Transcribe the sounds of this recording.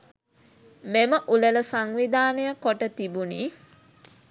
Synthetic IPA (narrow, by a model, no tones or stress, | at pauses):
meməʔulələsaŋʋid̪aːnəjəkoʈət̪ibuniː